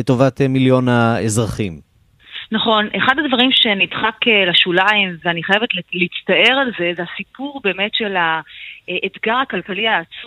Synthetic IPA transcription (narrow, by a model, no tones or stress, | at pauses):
etovat̪emiljo̞naezʁaχim | naχo̞nʔeχadadvaʁimʃe̞nidχakelaʃulaimveaniχajevetllitstae̞ʁalze̞zeasipuʁbe̞ːme̞tʃe̞laʔet̪ɡaʁhakalkaliaːt͡su